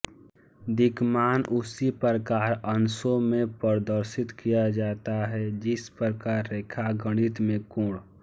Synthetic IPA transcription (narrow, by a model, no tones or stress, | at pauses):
d̪ɪɡmaːnʔʊsipəɾəkaːɾənsõmẽpəɾd̪əɾʃɪt̪kijad͡ʒaːt̪aɦɛd͡ʒɪspəɾkaɾːeːkʰaɡəɽ̃ɪt̪mẽkũːɽ